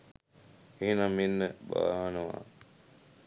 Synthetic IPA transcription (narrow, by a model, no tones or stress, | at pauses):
eːnamɪnːəɓa̰ːɦanəʋa̰ː